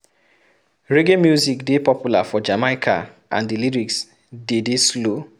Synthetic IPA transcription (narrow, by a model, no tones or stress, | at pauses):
ɹeɡemjuzikdepɔpjula̰fɔd͡ʒamaɪkʰa̰ | ʔã̰ndiliɹiks | dedeslo